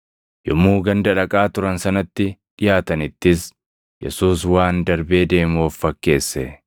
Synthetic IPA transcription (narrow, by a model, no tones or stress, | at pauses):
jɔmːuːɡɐnd̪ɐᶑɐkʼaːt̪ʊɾɐnsɐnɐt̪ːɪᶑɪjaːt̪ɐnɪt̪ːɪs | jɛ̰suːs̬waːnd̪ɐɾbe̞ːd̪e̞ːmɔfːɐkːe̞ːsːɛ